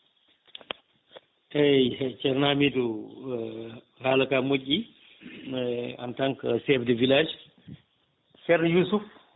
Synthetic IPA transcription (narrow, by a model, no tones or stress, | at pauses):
ɛt͡ʃɛɾnamidu | halakamocːi | a̰ntaŋkasɛfdɛvilad͡ʒ | sɛɾnjusuf